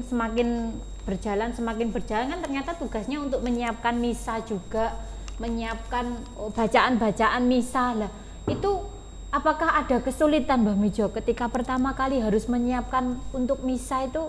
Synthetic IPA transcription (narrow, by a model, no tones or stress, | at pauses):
səmakɪn | b̥ərd͡ʒa̤lansəmakɪnbərd͡ʒalankant̪ərɲat̪at̪uɡ̥a̤sɲaunt̪ʊk̚məɲiap̚kanmisḁd͡ʒuɡ̥aʔ | məɲiap̚kan | b̥a̤t͡ʃaʔanba̤t͡ʃaʔanmisalah | it̪u | apakahada̤kəsulit̪anbami̥d͡ʒɔkət̪ikapərt̪amakaliɦaɾʊsməɲiap̚kanunt̪ʊk̚misait̪u